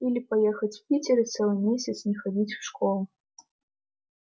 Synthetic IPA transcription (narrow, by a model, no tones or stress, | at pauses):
ilʲipɐjɛxɐt͡sʲpʲitʲɪɾɨt̪sɛlˠɨjmʲesʲɐt̪snʲɛxɐd͡zʲit͡sʲfʂkɔlˠʊ